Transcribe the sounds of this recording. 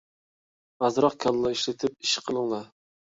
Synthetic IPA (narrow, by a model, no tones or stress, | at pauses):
ɑzɾɑqkʲʰɑnlˠɑiʃlɪt̪ʰɪp̚i̥ʃqʰəlˠəŋlˠɑ